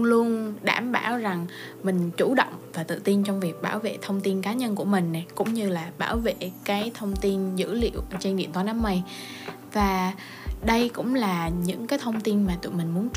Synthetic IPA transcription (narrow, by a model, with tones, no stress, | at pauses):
lu˧ənɗa̰ː˧˩mɓaː˧˩wza˨˩ŋ | mï˨˩ŋ̟t͡ɕu˧˩ɗɔ̰˧˨wŋ͡mvaː˨˩t̪ɨ̰˧˨t̪i˧nt͡ɕɔ˧wŋ͡mvi˨˩ək̚ɓaː˧˩wvḛ˧˨t̪ʰə˧wŋ͡mt̪i˧nkaː˨˦ɲə˧nku˧˩əmï˨˩ŋ̟na˨˩jkʊ̰˧˥ŋ͡mɲɨ˧laː˨˩ɓaː˧˩wvḛ˧˨kaː˨˦jt̪ʰə˧wŋ͡mt̪i˧nzɨ̰˧˥lḭ˧˨əwʔt͡ɕe˧nɗḭ˧˨ənt̪wa˧˦naː˨˦mːə˧j | vaː˨˩ | ɗə˧jkʊ̰˧˥ŋ͡mlaː˨˩ɲɨ̰˧˥ŋkaː˨˦jt̪ʰə˧wŋ͡mt̪i˧nmaː˨˩t̪ṵ˧˨jmï̟˨˩mu˨˦ənt͡ɕ